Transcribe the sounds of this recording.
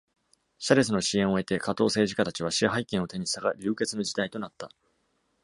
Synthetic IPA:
ɕaɾe̞sɨno̞ɕiẽ̞ɰ̃o̞e̞t̪e̞kat̪o̞ːse̞ːʑi̥kat̪at͡ɕiβ̞aɕiɦaikẽo̞t̪e̞ɲ̟isaɡaɾʲɨːke̞t͡sɨno̞d͡ʑid̪ait̪o̞nat̪ːa

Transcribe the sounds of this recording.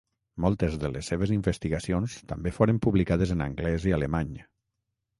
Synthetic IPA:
mɔlˠt̪əzðələsːeβ̞eziɱbəst̪iɣasionst̪ambefoɾəmpuβlikaðəzənə̰ŋɡlɛzialemaɲ

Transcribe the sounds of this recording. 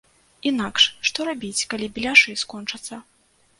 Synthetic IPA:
inakʂʂt̪ɔɾabʲit͡sʲkalʲibʲilʲaʂɨskɔnt͡ʂɐt̪sːɐ

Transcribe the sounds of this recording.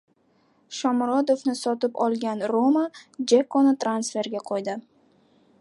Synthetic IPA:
ʃɒmɾɒd̪ofnɪsɒt̪ɪpɒlˠɡʲanɾomad͡ʒakʰɒnɪt̪ʰɾansfe̞ɾɡʲaqʰojd̪ɪ

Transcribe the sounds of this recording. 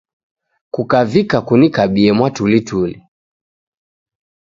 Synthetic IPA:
kukavikakunikaɓiɛmwatulituli

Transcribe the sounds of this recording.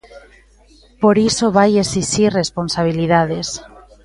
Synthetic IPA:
poɾisoβajesistiresponsaβ̞iliðað̞es

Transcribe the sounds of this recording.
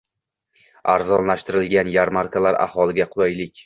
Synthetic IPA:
aɾzɒnlaʃt̪ɪɾɪlɡʲanjaɾmaɾkʰalaɾa̰hɒlˠɪɡʲaqʰʊlˠajlɪkʲ

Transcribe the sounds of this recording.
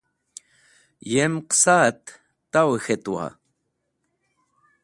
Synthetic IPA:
jemqsat̪ː | awexet̪ua̰

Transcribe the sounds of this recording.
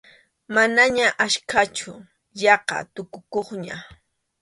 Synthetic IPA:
manaɲaʔaʃkʰat͡ʃʊ | jɑqɑ̰t̪ʊkʊkoχɲa

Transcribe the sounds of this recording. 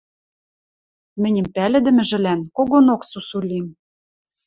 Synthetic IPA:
mɘ̆nʲɘ̆mpælɘ̆d̪ɘ̆mɘ̆ʒɘ̆lænkoɣonoksusulʲim

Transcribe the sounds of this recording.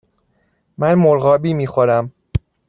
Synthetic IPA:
mænmoɾɣɒːbiːmiːxoɾæm

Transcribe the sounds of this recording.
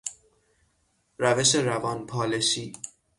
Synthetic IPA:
ɾæve̞ʃeɾævɒːnpʰɒːleʃiː

